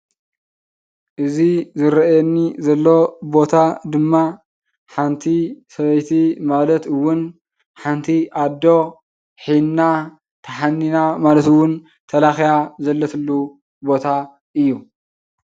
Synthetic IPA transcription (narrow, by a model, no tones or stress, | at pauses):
ʔɨzizɨɾɐjɛnːizɐlːo̞bo̞t̪ʰad̪ɨmːa | ħant̪ʰisɐβɐjt̪ʰimalɐt̪ɨwːʊn | ħant̪ʰiʔad̪ːo̞ | ħinna | t̪ʰɐħanːinamalɐt̪ɨwʊn | t̪ʰɐlaxjazɐlːɐt̪ʰɨlːu | bo̞t̪ʰa | ʔɨjːu